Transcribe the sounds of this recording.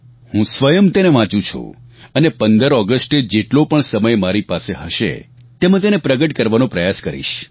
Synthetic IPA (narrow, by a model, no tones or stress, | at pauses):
hũsʋəjəmt̪eneʋãt͡ʃũt͡ʃʰṵ̃ənepənd̪əɾɔɡəsʈed͡ʒeʈlopəɳsəməjmaɾipaseɦəʃḛ | t̪emãt̪̬enepɾəɡəʈkəɾʋanõpɾəjaskəɾḭʃ